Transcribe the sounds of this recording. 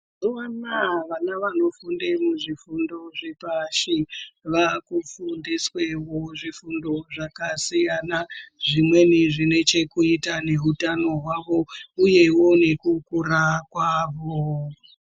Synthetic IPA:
zuwanaʋanaʋano̞fundemuʐifundo̞ʐepaʃiʋakufundiswe̞woʐifundo̞ʐakasijanaʐimwe̞niʐine̞t͡ʃe̞kuitane̞ɦutano̞ɦwaʋo̞uje̞wo̞ne̞kukurakwaːʋo

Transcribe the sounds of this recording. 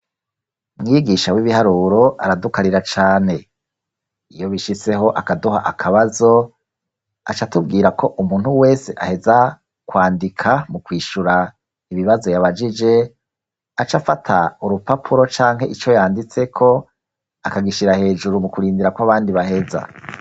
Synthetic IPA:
mŋiːɡiʃawiβihaɾuːɾo̞ʔa̰ɾadukaɾiɾat͡ʃaːne̞ | ijo̞βiʃise̞ɦo̞ʔakaduhaʔakʰaβazo̞ | a̰t͡ʃatub̚ɡiːɾakʰo̞ʔumuːnhuwe̞ːse̞ʔahe̞za | kwaːndikʰamukwiːʃuɾa | iβiβazo̞jaβad͡ʒid͡ʒe̞ | at͡ʃafatʰauɾupapʰuɾo̞t͡ʃaːŋɦe̞ʔit͡ʃo̞jaːndit͡se̞kʰo̞ | akaɡiʃiɾahe̞ːd͡ʒuɾumukuɾiːndiɾakwaβaːndiβahe̞za̰

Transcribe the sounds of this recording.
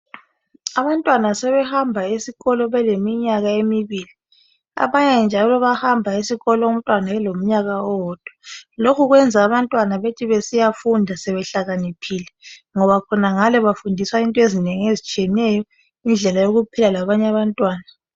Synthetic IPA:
aβantʼwanasɛβɛhambʱaisiɣɔlɔβɛlemiɲaɣaemiβiːli | a̰βaɲɛnd͡ʒʱalɔβahambʱaisiɣɔlɔum̩tʼwanaɛlom̩ɲaɣaɔɔd̥ʱwalokʰuɣwɛnd͡zʱaːβantʼwanaβetʰiβesijafundʱasɛβɛɬaɣanipʰiːlɛŋɔβakʰɔnaŋalɛβafundʱiswaintʼɔezineŋiezit͡ʃʼiɛnɛjɔ | ind͡ɮʱɛlajoɣupʰilalaβaɲɛaβantʼwaːna

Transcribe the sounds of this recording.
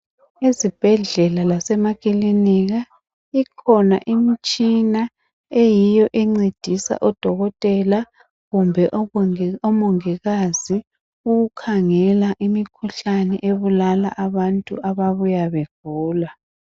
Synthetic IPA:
ezib̥ʱɛɮɛlalasɛmakʼiliniɣa | ikʰɔna̰ʔimit͡ʃʼina | ejijɔʔɛŋ͡ǀed̥ʱisa̰ʔɔd̥ʱɔɣɔtʼɛla | ɣumbʱɛʔɔmɔŋɛɣazi | uɣukʰaŋɛlaʔimikʰuɬanɛʔeβulala̰ʔaβantʼṵʔaβaβujaβeɡ̥ʱuːla

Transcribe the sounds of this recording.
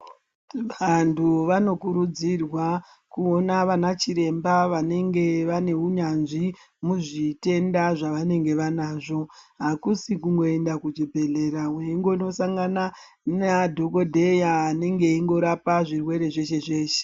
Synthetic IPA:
ʋantʰuʋano̞kuɾud͡zirwa | kuo̞naʋanat͡ʃiɾe̞mbaʋane̞ŋɡe̞ʋane̞uɲanʐi | muʐite̞ndaʐaʋane̞ŋɡe̞ʋanaːʐo̞ɦakusikuŋɡo̞e̞ndakud͡ʒibʱe̞ɮe̞ɾaweiŋɡo̞no̞saŋɡana | nadʱo̞ko̞dʱe̞jaːne̞ŋɡe̞iŋɡo̞ɾapaʐirwe̞ɾe̞ʐe̞ʃe̞ʐe̞ːʃe̥

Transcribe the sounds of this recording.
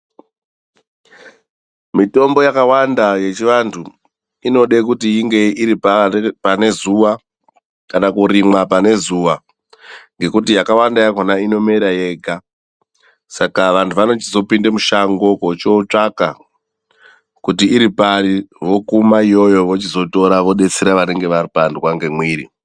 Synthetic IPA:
mito̞mbo̞jakawandaje̞t͡ʃiʋantʰu | ino̞ɗe̞k̬utiiŋɡe̞iɾipapane̞zuʋa | kanakuɾimwapane̞zuːʋa | ŋɡe̞kutijakawandajakonaino̞me̞ɾaje̞ɡʱa | sakaʋantʰuʋano̞t͡ʃizo̞pindemuʃaŋɡo̞kot͡ʃot͡ʂaka̰ | kutiːɾipaɾiʋo̞kumaijo̞jo̞ʋot͡ʃizo̞to̞ɾaʋo̞ɗe̞t͡seɾaʋane̞ŋɡe̞ʋaripandukwaŋɡe̞mwiːɾḭ

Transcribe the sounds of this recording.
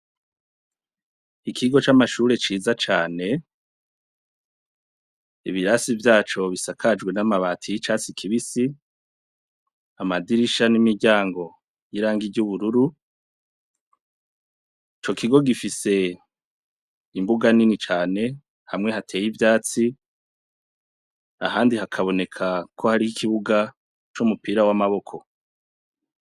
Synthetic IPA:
ikʰiɡo̞t͡ʃamaʃuːɾe̞t͡ʃiːzat͡ʃaːne̞ | ḭβiɾasivjaːt͡ʃo̞βisakʰad͡ʒɡwe̞namaβaːtʰijit͡ʃasikʰiβisi | amadiɾiʃanimiɟaːŋɡo̞ | jiɾaːŋɡiɟuβuɾuɾu | it͡ʃo̞kiɡo̞ɡifise̞ | imbuɡaninit͡ʃaːne̞ | hamŋe̞hatʰe̞ːjivjaːt͡si | a̰haːndihakʰaβo̞ne̞kʰakʰo̞haɾihikiβuɡa | t͡ʃumupiːɾawamaβo̞kʰo̞

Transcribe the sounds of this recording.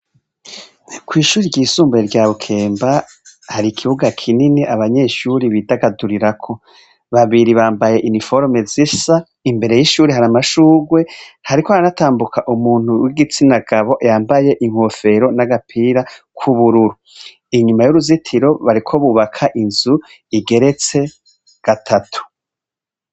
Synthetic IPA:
kwiːʃuːɾiɾɟiːsuːmbujeɾɟaːβukʰe̞ːmba | haɾikʰiβuɡakʰininiʔaβaɲe̞ʃuɾiβidaɡaduɾiɾakʰo̞ | βaβiɾiβaːmbaje̞ʔinifoɾmezisa | imbe̞ɾe̞jiʃuːɾiɦaɾamaʃuːɡwe̞haɾikohaanataːmbukaʔumuːn̥huwiɡit͡sinaɡaβo̞ʔjaːmbaje̞ʔiŋ̥hofe̞ɾo̞naɡapʰiːɾakʰuβuɾuɾu | iɲumajuɾuzitʰiɾo̞βaɾikʰo̞βuβakʰaʔinzu | iɡe̞ɾe̞t͡se̞ | ɡ̥atʰatʰu̥

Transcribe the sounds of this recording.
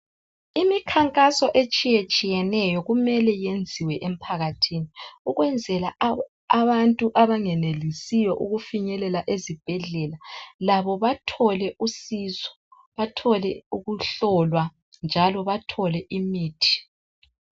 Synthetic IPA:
imikʰaŋkʼasɔʔet͡ʃʼijet͡ʃʼijɛnɛjɔɣumɛlɛjend͡zʱiwɛʔem̩pʰaɣatʰiniuɣwɛnd͡zʱɛla | aβantʼuʔaβaŋɛnelisijɔʔuɣufiɲɛlɛlaʔezib̥ʱɛɮɛlalaβɔβatʰɔlɛʔusizɔ̥ | βatʰɔlɛuɣuɬɔlwa | nd͡ʒʱalɔβatʰɔlɛʔimiːtʰi̥

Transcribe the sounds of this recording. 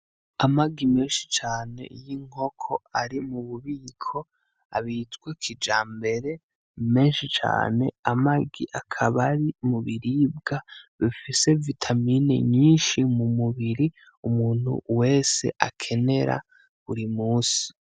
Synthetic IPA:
amaɡime̞ːnʃi̥t͡ʃaːne̞̰jiŋ̥o̞kʰo̞aɾimuβuβiːkʰo̞ | a̰βitɡwekʰid͡ʒaːmbe̞ɾe̞ | me̞ːnʃit͡ʃa̰ːne̞̰amaɡiʔakʰaβaɾimuβiɾibɡaβifise̞vitʰaminḛɲiːnʃimumuβiɾi | umuːn̥hṵwe̞ːse̞̰ʔa̰kʰe̞ne̞ɾa̰ | βuɾimuːsi̥

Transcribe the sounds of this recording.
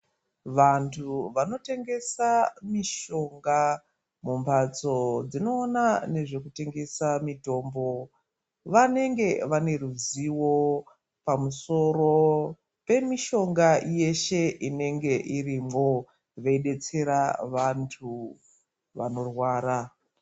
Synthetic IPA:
ʋantʰuʋano̞te̞ŋɡe̞samiʃo̞ŋɡa | mumpʰat͡so̞d͡zino̞ːnane̞ʐe̞kute̞ŋɡe̞samito̞ːmbo̞ | ʋane̞ŋɡe̞ʋane̞ruziwo̞ | pamuso̞ro | pe̞miʃo̞ŋɡaje̞ʃe̞ʔine̞ŋɡe̞ʔirimɡo | ʋeiɗe̞t͡se̞ɾaʋantʰu | ʋano̞rwaːɾa

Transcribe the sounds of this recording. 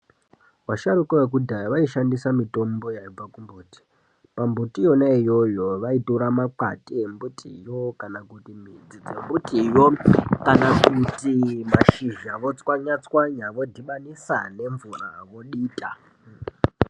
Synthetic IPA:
waʃaɾukoʋek̬udʱajʋaiʃandisamito̞mbo̞jaib͡vakumbuːti̥ | pambutijo̞naijo̞jo̞ʋaituɾamaka̰timbutʰḭjo̞kanakutimid͡zid͡zembutʰʼijokanakutimaʃiʒaʋo̞t͡swaɲat͡swaɲaʋo̞dʱiɓanisane̞ɱvuraʋo̞ɗiːtʼa

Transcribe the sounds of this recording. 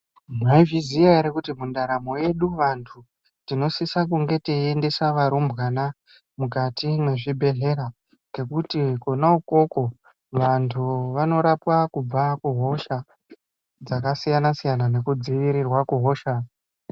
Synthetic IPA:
mwaivizijaiɾekutimundaɾamo̞je̞ɗuʋantʰu | tino̞sisakuŋɡe̞teende̞saʋaɾombɣana | mukatimwe̞ʐibʱe̞ɮe̞ɾa | ɡe̞kutikonauko̞ko̞ | ʋantʰuʋano̞ɾapwakub͡vakuɦo̞ʃa | d͡zakasijanasijanane̞kud͡ziʋiɾirwakuɦo̞ːʃa

